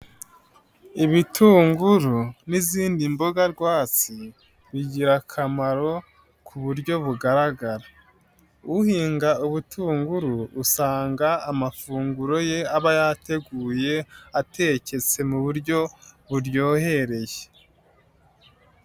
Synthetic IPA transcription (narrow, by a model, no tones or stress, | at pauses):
iβitʰuːŋɡuɾuniziːndimbo̞ɡaɾɡwaːt͡si | βiɟiɾakʰamaɾo̞ | kʰuβuɾɟo̞βuɡaɾaɡaɾa | uhiːŋɡauβutʰuːŋɡuɾuːsaːŋɡaːmafuːŋɡuɾo̞je̞aβajate̞ɡuːje̞atʰe̞ce̞t͡se̞muβuɾɟo̞βuɾjo̞ːhe̞ɾe̞je